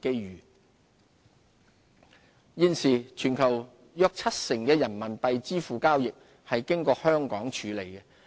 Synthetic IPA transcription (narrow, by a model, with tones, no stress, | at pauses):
ke˥jɥyː˨˩ | jiː˧˥nsiː˨˩t͡ʃʰyː˨˩nkʰɐ˨˩w | jœː˨˧k̚t͡sʰɐ˥t̚sɪ˨˩ŋkɛː˧jɐ˨˩nmɐ˨˩npɐ˨jt͡siː˥fuː˨kaː˥wjɪ˨k̚ | hɐ˨jkɪ˥ŋkɔː˧hœː˥ŋkɔː˨˥ŋt͡ʃʰyː˨˥le˨˩jkɛ˧